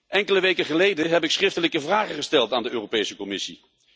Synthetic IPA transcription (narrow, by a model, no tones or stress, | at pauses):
ʔɛŋkələʋejkəχəlejdəɦɛpɪksχrɪftələkəvraːχəχəstɛlˠtaːndəøːropejsəkɔmɪsḭ